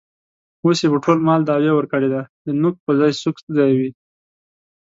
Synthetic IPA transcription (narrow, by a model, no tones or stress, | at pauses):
osebəʈʰolmɑld̪ɑwewəɾkəɽed̪ad̪ənʊk̚pəzɑjsukzɑjawi